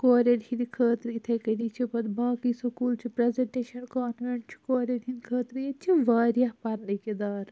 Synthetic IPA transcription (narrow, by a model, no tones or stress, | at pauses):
koːɾeːɖhĩnd̪ikʰɐːt̪ɾit̪ʰekɐɾiːt͡ʃʰipɐd̪baːkisɐkuːlt͡ʃʰipɾezeɳʈeːʃɐnkaːnmeɳʈ̚t͡ʃʰi̥koːleːɖɦĩnd̪kʰɐːt̪ɾjet͡ʃʰiʋaːɾjapɐɾneked̪aːɾ